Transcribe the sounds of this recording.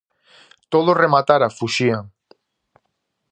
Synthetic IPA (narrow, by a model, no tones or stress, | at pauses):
t̪oðoremat̪aɾafuʃia